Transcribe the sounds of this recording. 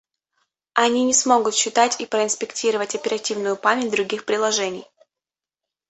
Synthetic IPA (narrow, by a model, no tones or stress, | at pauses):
ɐnʲinʲɪsmo̞ɡʊt̪ɕːɪt̪atʲipɾəɪnspʲɪktʲiɾəvətʲɐpʲɪɾɐtʲivnʊjʊpamʲɪt̚ʲd̪ɾʊɡʲixpɾʲɪlˠɐʐɛnʲɪ̰j